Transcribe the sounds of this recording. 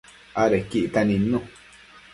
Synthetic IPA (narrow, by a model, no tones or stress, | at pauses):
aɾekiʔit̪anĩnũ